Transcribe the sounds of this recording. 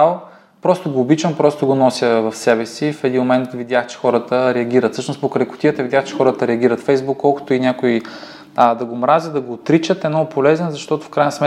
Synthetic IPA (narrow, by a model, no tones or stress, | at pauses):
alˠ | pɾɔst̪ʊɡoːbit͡ʃɐmpɾɔst̪ʊɡonɔsʲjəvɐfsɛbɛsifɛd̪inmomɛnt̪vid̪ʲaxt͡ʃɛ̥xɔɾət̪əɾɛɐɡʲiɾɐt̪fsɤʃnʊspokɾəjkʊ̥t̪iət̪əvidʲjaxt͡ʃɛ̥xɔɾət̪əɾɛɐɡʲiɾət̪fɛjzbukːɔlˠkoʊ̥t̪oinʲakʊi | əd̪ɐɡoːmɾazʲjəd̪ɐɡoːt̪ɾit͡ʃət̪ɛmnɔɡʊpolɛzɛnzɐʃt̪ɔt̪ʊfkɾajnɐsmɛ